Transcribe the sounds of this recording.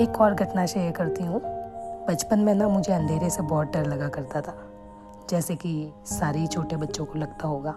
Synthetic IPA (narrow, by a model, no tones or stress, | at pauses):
eːkɔːɾɡʱɐʈnaʃajəɾkɐɾt̪iɦũbɐt͡ʃpənmɛ̃namʊd͡ʒʱeɐ̃nd̪ʱeːɾesebɔːt̪̚ɖɐɾlɐɡakɐɾt̪at̪ʰaː | d͡ʒɛːsekisaːɾeit͡ʃʰoːʈebɐtːʃõkolɐɡt̪aɦoːɡaː